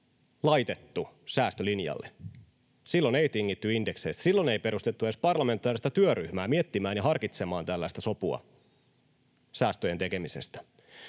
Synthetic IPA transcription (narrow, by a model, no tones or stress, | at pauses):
lɑjt̪e̞t̪ːusæːst̪ølinjɑ̰lːḛ | silːo̞ne̞jt̪iŋːit̪ːyindekseist̪æsilːone̞jpe̞ɾust̪et̪ːuespɑrlɑme̞nt̪ːˑɑːɾrist̪ɑt̪yøryhmæːmiet̪ːimæːnjɑɦɑrkit̪semɑːnt̪ælːæist̪æso̞puɑ̰ | sæːst̪øje̞nt̪e̞ke̞mise̞̰st̪æ̥